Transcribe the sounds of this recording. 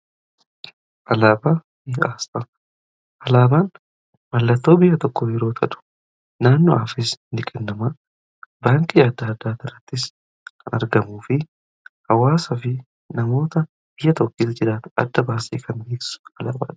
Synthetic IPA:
ʔɐlaːba | bɪjʔaːsɐ | ʔɐlaːbaːn | mɐlːɐt̪ːo̞ːbɪjːɐt̪ɔkːɔjɛɾo̞ːt̪ʰɐᶑ̪ʊ̥ | naːnːɔaːfɪsnɪkʼɛnːɐma | baːŋkʼijad̪ːaːd̪ːaːt̪ːɪrːɐt̪ːɪs | kɐnɐ̰ɾɡɐmuːfɪ | hɐwaːsɐfɪ | nɐmo̞ːt̪ɐ | b̥ɪjːɐt̪ɔkːiːsd͡ʒɪɾaːt̪ʊ̥ɐ̰d̪ːɐbaːsḭːkʰɐnbeːksɪ̥sʊ̥ɐla̰ːba̰ːᶑ̪

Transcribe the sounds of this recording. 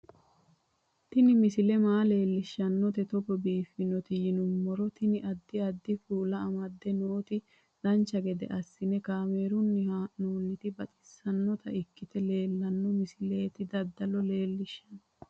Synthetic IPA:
t̪ɪnɪmɪsɪlɛmaːle̞ːlːɪʃːɐnːɔt̪ɛt̪ɔbɔbiːfːɪnɔt̪ɪjɪnʊmːɔɾɔt̪ɪnɪʔɐd̪ːɪɐd̪ːɪfuːlɐɐmɐd̪ːɛnoːt̪ɪ | d̪̥ɐnt͡ʃːɐɡɛd̪ɛ̰ʔɐsːɪnɛkaːmeːɾʊnːɪhanuːlːɪt̪ɪbɐt̪ʼɪ̥sːɐnːɔt̪ɐ̰ʔɪkːɪt̪ɛle̞ːlːɐnːɔmɪsɪle̞ːt̪ɪd̪ɐd̪ːɐlɔle̞ːlːɪʃːɐn

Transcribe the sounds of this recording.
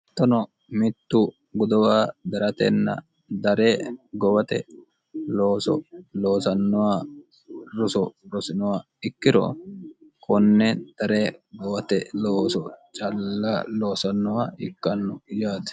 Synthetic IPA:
t̪ːɔnɔ | mɪt̪ːu | ɡʊd̪ɔwaːd̪ɐɾɐt̪ɛ̰nːɐ̰ | d̪ɐɾeːɡɔwɐt̪ɛ̰ | loːsɔ̰lo̞ːsɐnːɔwaː | ɾʊsɔɾɔsɪnɔwaː | ɪkːɪɾɔ̰ | kɔnːɛd̪̥ɐɾeːɡɔwɐt̪ɛloːsɔt͡ʃʼɐlːaloːsɐnːɔwaːɪkːɐnːʊjaːd̪ɐ̥

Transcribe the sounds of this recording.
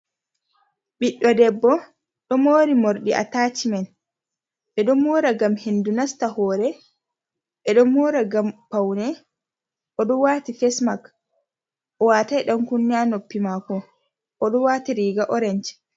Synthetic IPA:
ɓiɗːɔdɛbːɔ | ɗɔmoːɾimoɾɗiʔa̰taːt͡ʃimɛn | ɓɛɗɔmuɾaɡamhendunastahɔːɾɛ | ɓɛɗɔmoɾaɡampawnɛ | ʔɔɗɔwaːtifɛsmak | ʔɔwatajɗɔnkunːanopːimakɔ | ʔɔɗɔwaːtiɾiːɡaʔɔɾɛnd͡ʒ

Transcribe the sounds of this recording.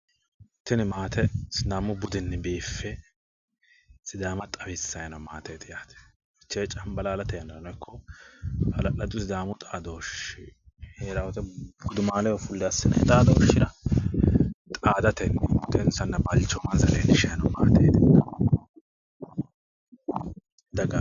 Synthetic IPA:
t̪ːɪnɪmaːt̪ʰɛsd̪aːmʊbʊd̪ɪnːɛbeːfːɛ | sɪd̪aːmɐt̪ʼɐbɪsːɐjɐnɐmaːt̪ʰeːt̪ɪjaːt̪ɛ̥ | t͡ʃːeːt͡ʃʼɐmbɐlaːlɐt̪ɛjɐnːɐnɔjkʰːɔ | ɐlɐlɐd̪ʊsd̪aːmʊt̪ʼaːd̪ɔɔʃɪ | heːɾawɔt̪ɛbʊd̪ʊmaːlɛwɐfʊlːɪɐsːɪnɐ̰d̪aːd̪ɔɔʃːɪɾɐ | t̪ʼaːd̪ɐt̪ɛnɛbʊt̪ɛnsɐnːɐbɐlt͡ʃːɔmɐnzɐleːnɪʃɐjɐnɐma̰ːt̪ḛːd̪ɪnːɐ | d̪ɐɡa

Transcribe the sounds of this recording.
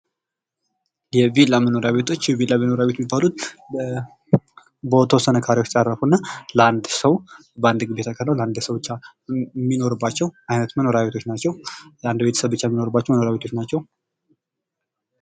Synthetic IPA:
jɛvilːaməno̞ɾaβe̞t̪ʰo̞t͡ʃːjɛvilaməno̞ɾaβet̪mibːalut̪̚ | bət̪ʰəwɔsənəkʰaɾiwot͡ʃsʼarːəfunːaləand̪səw | bəand̪ɡɨbet̪ʰakʰəɾnəwləand̪səwbɨt͡ʃːamːino̞ɾɨbːat͡ʃːɛwajnət̪məno̞ɾaβe̞t̪ʰo̞t͡ʃːnat͡ʃːɛwland̪bet̪ʰə̥səβbɨt͡ʃːajmːino̞ɾɨbːat͡ʃːɛwməno̞ɾaβe̞t̪ʰo̞t͡ʃːnat͡ʃːɛw

